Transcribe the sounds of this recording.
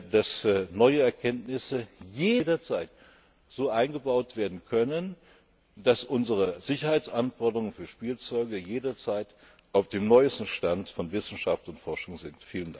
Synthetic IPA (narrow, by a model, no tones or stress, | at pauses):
d̥asnɔʏəɛɐkʰɛntnɪsəjeːdɐt͡saɪt | z̥oːʔaɪnɡəbaʊtv̥eːɐdn̩kʰœnən | d̥asʔʊnzəʁəz̥ɪçɐhaɪt͡sʔanfɔɐdəʁʊŋənfyːɐʃpiːlt͡sɔʏɡəjeːdɐt͡saɪt | ʔaʊfd̥eːmnɔʏəstn̩ʃtantfɔnvɪsn̩ʃaftʊntfɔɐʃʊŋzɪntfiːlənda